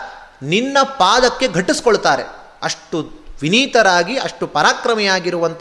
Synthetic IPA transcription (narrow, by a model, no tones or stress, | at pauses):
ninːɐpaːd̪ɐkːe̞ɡʱɐʈːisi̥koɭt̪aːɾḛ | ɐʂʈuʋiniːt̪ɐɾaːɡiɐ̰ʂʈupɐɾaːkɾɐmɛjaːɡiɾuʋɐnt̪